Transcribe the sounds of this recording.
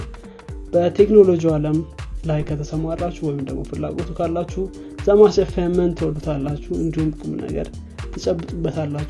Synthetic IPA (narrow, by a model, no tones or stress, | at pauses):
b̥ət̪ʰe̞kno̞lo̞d͡ʒiwaləmlajkʰət̪ʰəsəmarːat͡ʃːuwɔjɪmd̪əɡmo̰fɨlːa̰ɡot̪ʰukʰalːat͡ʃːu | zamaʃəfamənt̪ʰwɔlːut̪ʰalːat͡ʃːuɨnd̪ihumkʼɨmnə̰ɡə̰ɾ | t̪ʰɨt͡ʃʼəbːɨt̪ʼubːət̪ʰalːat͡ʃː